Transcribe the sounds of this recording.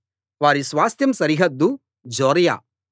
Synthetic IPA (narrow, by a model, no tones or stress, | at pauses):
ʋaːɾisʋaːst̪jɐmsɐɾiɦɐd̪ːu | d͡ʒɔːɾɐja̰ː